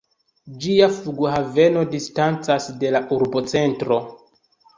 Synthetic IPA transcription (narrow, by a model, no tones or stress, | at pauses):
d͡ʒiafluɡuɦave̞no̞distant͡sasde̞laʔuɾbo̞t͡se̞ntɾo̞